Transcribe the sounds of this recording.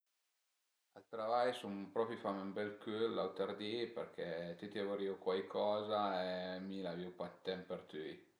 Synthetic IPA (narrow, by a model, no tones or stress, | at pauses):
alt̪ɾavajsumpɾɔpjifamymbɛlkylːawt̪aɾd̪ipeɾkʰɛt̪yt̪iavuɾiwkwajkʰɔːzaemilaviwpat̪ːɛmpert̪y